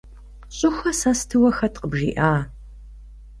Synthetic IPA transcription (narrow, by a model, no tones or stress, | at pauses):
ɕʼʊxʷɐsɐstʰɨwɐxɐtʰʼqəbʒḭːʔaː